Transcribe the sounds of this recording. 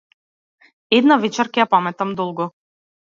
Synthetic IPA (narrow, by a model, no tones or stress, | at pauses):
ɛd̪navɛt͡ʃɛɾkɛjapamɛt̪amd̪ɔlˠɡɔ